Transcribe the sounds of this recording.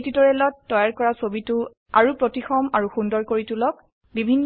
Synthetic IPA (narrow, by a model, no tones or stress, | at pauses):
titɔɹɛlɔtːɔjaɹkɔɹasobitʊ | a̰ɹupɹotixɔmaɹuxundɔɹkoɹitulɔk | bibʱinː